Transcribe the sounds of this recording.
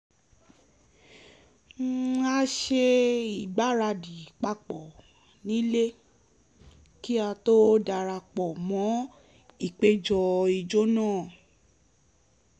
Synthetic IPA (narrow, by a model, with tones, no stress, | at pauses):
a˧ʃe˧i˨ɡ͡ba˨˦ɾa˧di˨k͡pa˧k͡pɔ˨ | nĩ˦le˦ | ki˦a˧to˦da˧ɾa˧k͡pɔ˨mɔ̃˨˦ | i˦˨k͡pe˦d͡ʒɔ˧i˨d͡ʒo˦nãː˦˨